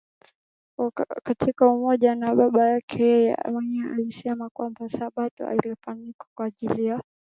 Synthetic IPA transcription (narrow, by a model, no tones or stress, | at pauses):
katʰikaumɔʄanaɓaɓajakʰɛjɛjɛ̰mwɛɲɛʔa̰lisɛmakwambasaɓatɔ̰a̰ilifanikḁkwaːʄilija